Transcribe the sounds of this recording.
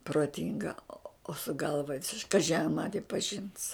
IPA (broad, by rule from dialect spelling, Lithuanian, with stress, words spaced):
proːˈtʲɪŋɡɐ oː sʊ ˈɡɐlˠʋɐ ˈʋʲɪsʲɪʃ ˈkɑːʒʲɪ ɐr ˈmɑːnʲɪ pɐˈʒʲɪns